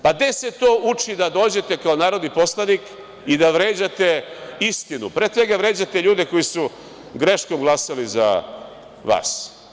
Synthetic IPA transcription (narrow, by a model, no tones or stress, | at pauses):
pad̪e̞se̞t̪o̞ːʔut͡ʃid̪ad̪o̞ːd͡ʑe̞t̪e̞kao̞naːɾo̞d̪nipo̞slˠanik | id̪aʋɾe̞ːd͡ʑat̪e̞ist̪inṵpɾeːd̪sʋe̞ɡaʋɾe̞ːd͡ʑat̪e̞ʎuːd̪e̞ko̞jisu | ɡɾe̞ʃko̞mɡlˠasaliza̰ | ʋa̰ːs